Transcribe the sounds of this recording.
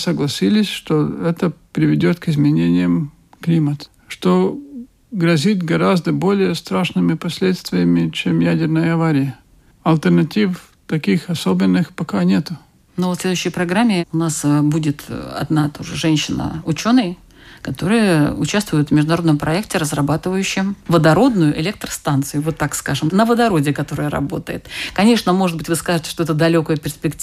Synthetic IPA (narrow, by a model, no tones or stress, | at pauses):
səɡlˠɐsʲilʲɪsʲʂt̪oɛt̪əpɾʲɪvʲɪdʲot̪kɪzmʲɪnʲenʲɪjəm | klʲimət̪ə̥ | ʂt̪o | ɡɾɐzʲit̪ɡɐɾazd̪əbo̞lʲɪjəst̪ɾaʂnɨmʲɪpɐsʲlʲet̪st̪vʲɪjəmʲɪt͡ɕemjædʲɪrnəjəɐvaɾʲɪjə | ɐlʲˠt̪ərnɐtʲif | t̪ɐkʲixɐsobʲɪnːɨxpɐkanʲe̞t̪ʊ | novfsʲlʲe̞d̪ʊjɕːɪjpɾɐɡɾamʲːɪʊnasbudʲɪt̪ɐ̰d̪nat̪oʐɨʐɛnʲɕːɪnə̰ʊt͡ɕo̞nːɨj | kɐt̪o̞ɾɨjəʊt͡ɕast̪vʊjʊt̪vmʲɪʐd̪ʊnɐɾo̞d̪nəmpɾʔɐektʲɪɾəzrɐbat̪ɨvəjʉɕːɪmvəd̪ɐɾo̞d̪nʊjʊʔɪlʲek̚t̪ɾəst̪ant̪sɨjʊvo̞t̪ːakskaʐɨmnəvəd̪ɐɾo̞dʲɪkɐt̪o̞ɾəjəɾɐ̰bo̞t̪əjɪ̰t̪kɐnʲeʂnəmo̞ʐɨt̪̚bɨtʲvɨskaʐɨtʲɪ̥ʂt̪oɛt̪əd̪ɐlʲo̞kəjəpʲɪrspʲɪktʲ